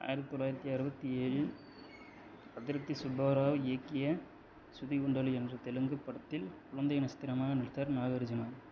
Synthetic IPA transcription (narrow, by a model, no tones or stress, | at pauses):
a̰ːjɪɾɐt̪ːit̪ɔlːaːjɪɾɐt̪ːiɐɾɯbɐt̪ːieːɻɯ | pɐt̪ːɪɾɐt̪ːisʊbaːɾaːʋeːkːɪjɐ | sʊðiʊɳɖɐlɯɛndrɯt̪ɛlɯŋɡɯpːɐɽɐt̪ːɪlkʊɻɐnd̪ɐjɐnɐst̪ɪɾɐmaːɣɐnɪɽɯt̪ːɐːɾnaːɣɐɾd͡ʒɪmaːn